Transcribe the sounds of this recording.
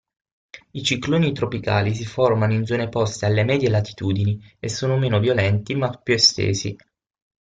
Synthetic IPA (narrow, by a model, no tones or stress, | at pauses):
it͡ʃikloːnit̪ɾopika̰ːlis̬iformanoind̪zoːnepɔst̪ealːemɛːd̪jelat̪i̥t̪uːd̪iniesːoːnomeːnovjolɛnt̪imapːjuest̪ḛːzḭ